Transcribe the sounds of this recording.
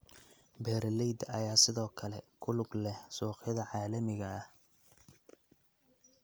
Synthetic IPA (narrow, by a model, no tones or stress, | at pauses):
bɛːɾlɛjd̪ɐ̰jaːsɪðɔːkʰɐlɛkʰʊlʊɡlɛhsuːqjɐðɐʕɑːlɐmɪɣɐːh